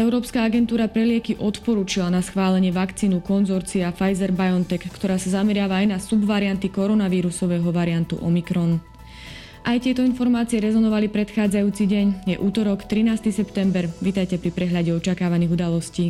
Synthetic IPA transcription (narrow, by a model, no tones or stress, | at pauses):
ɛʊɾɔːpskaːaɡɛnt̪uːɾapɾɛlɪɛkiʔɔt̪pɔɾuːt͡ʃilanasxʋaːlɛɲɪɛʋakt͡siːnukɔnzɔɾt͡siafajzɛɾbajɔnt̪ɛkːt̪ɔɾaːsazamɛɾɪaːʋaːjnasubʋaɾiant̪ikɔɾɔnaʋiːɾusɔʋɛːɦɔʋaɾiant̪ṵʔɔmikɾɔn | ʔajt̪ɪɛt̪ɔinfɔɾmaːt͡siɪɛɾɛzɔnɔʋalipɾɛt̪xaːd͡zajuːt͡siɟɛɲjɛʔuːt̪ɔɾɔkt̪ɾinaːst̪isɛpt̪ɛmbɛɾʋit̪ajcɛpɾipɾɛɦʎaɟɛɔt͡ʃakaːʋaniːɣud̪alɔsciː